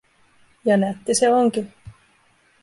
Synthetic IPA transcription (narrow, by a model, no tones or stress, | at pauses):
jɑnæt̪ːiseoŋki